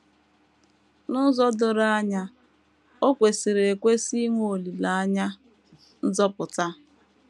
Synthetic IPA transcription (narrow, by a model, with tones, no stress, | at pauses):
nʊ˦zɔ˦dʊ˨ɾa˦a˦ɲa˦ | o˦kʷe˨si˨ɾe˨e˨kʷe˦si˦ŋʷ˦o˨li˨la˨a˦ɲa˦ | n̩˦zɔ˦pʊ˨ta˦